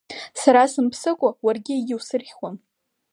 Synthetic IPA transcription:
saɾasɨmpʰsɨkʷʼawarɡʲɪiɡʲɪwsɨrχʲʷwan

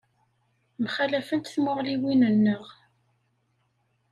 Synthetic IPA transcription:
mχælæfənt̪θmʊʁliwinənːəʁ

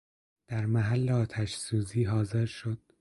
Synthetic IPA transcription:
d̪̥æɾmæɦælːeɒːt̪ʰæʃsuːziːɦɒːze̞ɾʃod̪̥̚

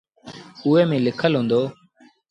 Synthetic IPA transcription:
ʊːeːmẽːlɪkʰəlɦõːnd̪oː

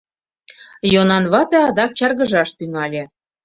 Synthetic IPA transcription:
jonɑnβɑt̪eɑd̪ɑk̚t͡ɕɑrɣəʒɑʃt̪yŋɑlʲĕ

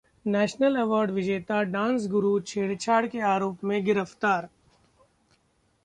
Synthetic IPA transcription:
nɛːʃnəlɛʋɔːɾɖʋɪd͡ʒeːt̪aɖãːnsɡʊɾut͡ʃʰeːɽt͡ʃʰaːɽkeaːɾoːpmẽɡɪɾəft̪aːɾ

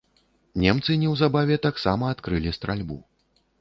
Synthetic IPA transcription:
nʲɛmt̪sɨnʲɛwzabavʲɛt̪aksamɐːt̪kɾɨlʲist̪ɾalʲbṵ

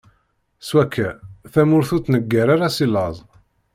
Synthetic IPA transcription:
swækʰːæθæmʊɾθut͡s̪nəɡːaɾaɾasilɑzˤ

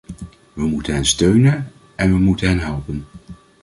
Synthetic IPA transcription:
ʋəmutənɦɛnstøɥnən | ɛnʋəmutənɦɛnɦɛlˠpən

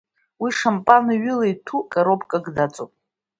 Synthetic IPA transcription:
wiʂampʼaniɥʏlajtʰukʼaɾopʰʼkʼaɡdat͡sʼo̰pʼ

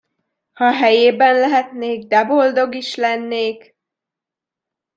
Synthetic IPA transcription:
hɒɦɛjeːbɛnlɛɦɛt̪neːɡ̚d̪ɛbo̞ld̪o̞ɡiʃlɛnːeːk

